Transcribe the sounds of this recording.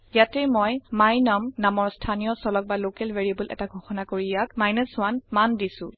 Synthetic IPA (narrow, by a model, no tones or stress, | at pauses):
jatɛmɔjmajnamnamɔɹstʰanijɔsɔlɔk̚balokɛlveɹiabulʔɛ̰taɡʱɔxɔnakoɹijak̚majnəswanmandisʊ̰̃